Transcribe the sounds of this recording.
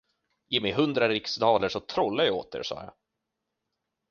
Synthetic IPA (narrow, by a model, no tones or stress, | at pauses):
jeːmɛjɦɵnd̪ɾaɾɪksd̪ɑːləʂɔt̪ʰɾɔlːajao̰ːt̪̚ə̰ʂɑ̰ːja̰